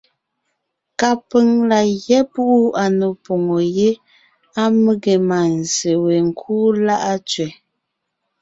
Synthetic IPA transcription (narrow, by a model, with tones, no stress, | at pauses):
ka˨pə˦ŋla˨jɛ˦pu˦ʔu˦a˨no˨po˨ŋo˨je˦ | a˦mə˦ɡe˨ma˨n̩˨ze˨we˨ŋ̩˨kʰuː˦la˦ʔa˦t͡ʃɥɛ˨